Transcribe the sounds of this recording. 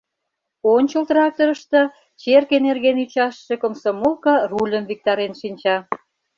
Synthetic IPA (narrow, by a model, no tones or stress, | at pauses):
onʲt͡ɕəlt̪rɑk̚t̪oɾə̆ʃt̪ɤ̆ | t͡ɕerkenerɣenyt͡ɕɑʃːĕkomsomolkɑrulʲə̆mvik̚t̪ɑɾenʃinʲt͡ɕɑ